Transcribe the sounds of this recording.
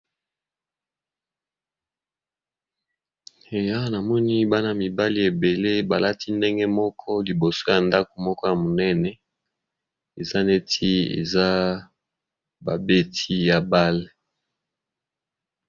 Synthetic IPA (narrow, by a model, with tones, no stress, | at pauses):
e˨ja˦na˨mɔ˦ni˦ba˦na˨mi˨ba˦li˦e˨be˨le˦ba˨la˦ti˦nde˦ŋɡɛ˦mɔ˦kʰɔ˦li˨bo˨so˦ja˨nda˦ko̥˨mɔ˦kɔ˦ja˨mo˨nɛ˦nɛ˦ | e˨za˦ne˦tʰi˦ḛ˨za˦ | ba˨be˦tʰi˦ja˨ba˦le˨